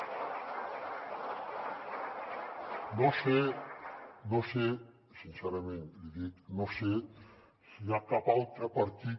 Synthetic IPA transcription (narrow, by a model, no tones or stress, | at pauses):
nose | nõse | sinseɾamẽnt̪d̪iðik̪nose | siakapault̪ɾapaɾt̪i